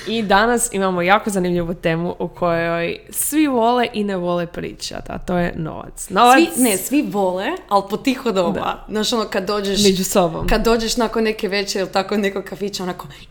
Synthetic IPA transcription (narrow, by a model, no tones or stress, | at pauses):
id̪anasimamojaːkozanimʎiʋut̪eːmuʔukʰo̞joj | sʋiʋo̞leʔineʋo̞lepɾḭːt͡ʃa̰d̪a̰t̪o̞ːjḛno̰ʋa̰t̪snnoʋainesʋiʋolealˠpot̪ixod̪oʋa̰naʃonokad̪ːoːd͡ʒeʃmmed͡ʒusobo̰mkad̪ːoːd͡ʒeʃnakonːekeʋet͡ʃeilˠt̪akonekoɡkafit͡ʃaonako